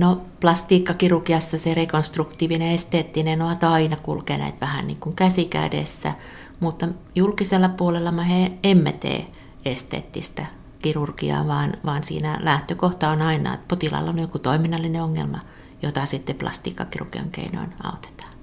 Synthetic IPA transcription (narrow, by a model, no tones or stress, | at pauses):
noplɑst̪iːkːɑkirurkiɑsːɑserekonst̪rukt̪iːʋineest̪eːt̪ːinenoɑt̪ɑinɑkṵlkenæ̰it̪ʋæhænniːŋkuŋkæsikæ̰dḛsːæ̰ | mut̪ːɑjulkiselːɑpuolelːɑmɑheemːet̪ḛː | est̪ḛːt̪ːist̪æ | kirurkḭɑ̰ːʋɑːnʋɑːnsḭːnælæht̪økoht̪ɑonɑinɑ̰ːḛt̪pot̪ilɑ̰lːɑoljokut̪oiminːɑlːineoŋːḛlmɑ̰ | jot̪ɑsit̪ːeplɑ̰st̪ḭːkːɑkirṵrkiɑ̰ŋkḛino̰inɑ̰ot̪e̥t̪ɑ̥ːn